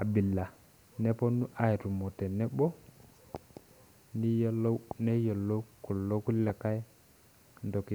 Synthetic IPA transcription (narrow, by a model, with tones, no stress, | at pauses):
a˨bi˨lːa˨ | ne˦po˦nu˦ʔa˦˨i˨tu˨mo˨te˨nɛ˦bo˦ | ni˦lo˦ne˦jo˨lːo˦ku˨lo˦ki˦lːa˨ka˦ | ndo˨ki˨